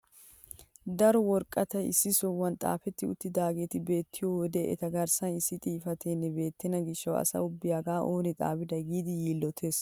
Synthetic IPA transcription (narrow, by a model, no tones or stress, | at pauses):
d̪ɐɾɔwɔɾkʼːɐt̪ɐɪ̰sːɪsɔwːɐnt̪ʼa̰ːfɛt̪ːɪʊ̰t̪ːɪd̪aːɡeːt̪ɪbe̞ːt̪ʰːɪjɔwɔd̪eʔɛ̰t̪ɐɡɐɾsɐnɪsːɪt̪ʼiːfɐt̪ʰeːnːɛbe̞ːt̪ːɪnɐɡɪʃːɐwɐ̰sɐ̰ʊbːɪjaɡaːʔoːnɪt̪ʼa̰ːbɪd̪ɐɡiːd̪ɪjiːlːɔt̪ʰe̞ːs